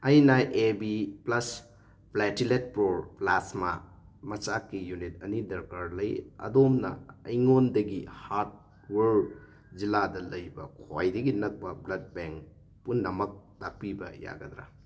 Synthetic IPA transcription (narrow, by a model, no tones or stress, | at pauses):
ɐjnaʔebiplɐs | pletilet̚pɾoɾplasma | mɐt͡ʃakːijunit̚ɐnidɐɾkaɾlɐjɐ̰domnɐ̰ːjŋondɐɡihaɾt̚ | weɾ | ziladɐlɐjbɐ̰kʰɔjdɐɡinɐk̚pɐblɐd̚beŋk | punːɐmɐk̚tapibɐ̰ja̰ɡɐdɾa̰